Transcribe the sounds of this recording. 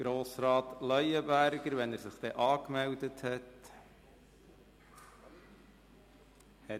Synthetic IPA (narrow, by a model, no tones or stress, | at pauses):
ɡ̥ɾoːsɾɑːt̪lœjəbæɾɡəɾʋɛnæːɾsɪχd̥̪ɛʔɑːkmɛldəthɛt | hɛ